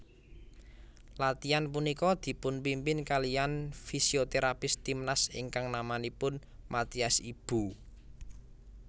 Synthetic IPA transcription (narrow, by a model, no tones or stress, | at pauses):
lat̪ianpunikɔd̪̥i̤pʊnpimpɪnkalijanfisiot̪eɾapɪst̪imnasɪ̰ŋkaŋnamanipʊn | mat̪iasib̥ṳ